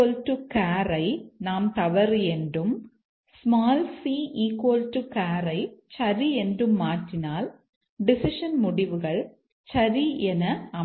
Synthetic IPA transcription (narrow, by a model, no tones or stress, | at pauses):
oltukaːɾɐɪnaːmt̪ɐʋɐɾɛndrɯm | smaːlsiːiːkːoltukaːɾɐɪt͡ʃɐɾiɛndrɯmːaːʈːɪnaːl | ɖɪsɪʂɐnmʊɽɪʋɯɣɐɭ | t͡ʃɐɾiɛnɐɐm